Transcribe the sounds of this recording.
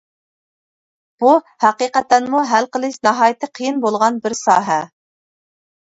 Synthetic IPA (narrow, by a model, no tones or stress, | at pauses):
b̥u | hæqiːqɛt̪ːɛnmuɦælqəlˠɨʃnɑɦɑːjɪt̪ʰɨqʰijinbolˠʁɑnbɪɾsɑːɦɛ